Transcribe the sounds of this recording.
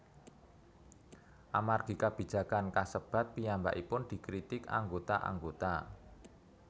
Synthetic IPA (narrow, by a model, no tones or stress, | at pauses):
ʔamarɡ̥i̤kab̥i̤d̥d͡ʒ̥ä̤kankasəb̥ä̤t̪̚pijamba̰ʔipʊnd̪̥i̤kɾit̪ɪka̰ŋɡot̪aʔa̰ŋɡot̪a